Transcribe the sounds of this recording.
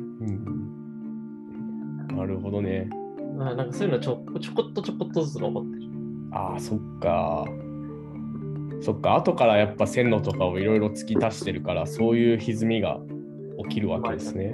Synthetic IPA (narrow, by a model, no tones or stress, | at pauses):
ɯ̟̃ɴɯ̃ɴ | naɾɯ̟ɦo̞d̪o̞ne̞ | anãŋkasoːjɯnot͡ɕot̪ːot͡ɕokot̪ːot͡ɕokot̪ːozɨɾo̰t̪ːe | a̰ːso̞kːa̰ | so̞kːaːt̪o̞kaɾajapːasẽ̞nːo̞t̪o̞kao̞iɾo̞iɾo̞t͡sɨ̥kʲit̪aɕi̥t̪eɾɯ̟kaɾaso̞ːjɯ̟ːçizɨmʲiɡa̰ | o̞kʲiɾɯ̟βaked̪e̞sɨne̞